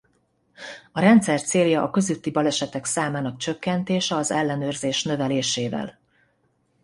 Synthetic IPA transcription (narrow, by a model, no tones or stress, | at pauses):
ɒɾɛnt̪sɛrt̪seːljɒʔːkø̞zyt̪ːibɒlɛʃɛt̪ɛksaːmaːnɒk̚t͡ʃø̞kːɛnt̪eːʃɛɒzɛlːɛnøːrzeːʃnø̞vɛleːʃeːvɛ̰l